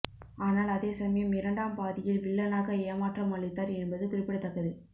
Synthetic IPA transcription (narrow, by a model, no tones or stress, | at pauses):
aːnaːlɐðeːsɐmɐjɐmɪɾɐɳɖaːmpaːðɪjɪlʋɪɭːɐnaːɣɐeːmaːʈrɐmɐɭːɪt̪ːaːɾɛnbɐðɯkʊɾɪpːɪɽɐt̪ːɐkːɐðɯ